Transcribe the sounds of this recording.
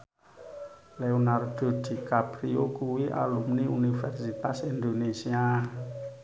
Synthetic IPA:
leonard̪̥od̪̥i̤kapriokuwiʔa̰lumniunifɛrsit̪asind̪onesia

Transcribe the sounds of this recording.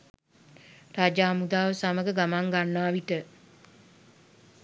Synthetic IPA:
rad͡ʒaːmud̪aːʋəsaməɡəɡamaŋɡanːaːʋiʈə

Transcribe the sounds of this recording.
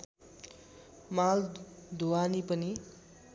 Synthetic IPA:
mald̪ʱuanipʌni

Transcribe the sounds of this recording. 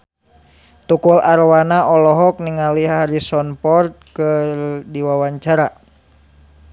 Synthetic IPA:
t̪ukulaɾwanaʔɔlɔɦɔk̚niŋaliɦaaɾisɔnpɔrt̪̚kɨrdiwawaɲt͡ʃaɾa

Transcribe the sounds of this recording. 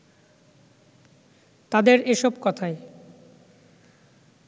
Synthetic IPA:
t̪ad̪eɾeʃɔbkɔt̪ʰae

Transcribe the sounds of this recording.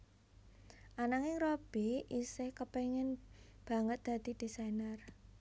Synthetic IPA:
ʔanaŋɪŋrob̥iisɪhkəpeŋɪnb̥ä̤ŋət̪̚d̪̥ä̤d̪̥i̤d̪̥isajnər

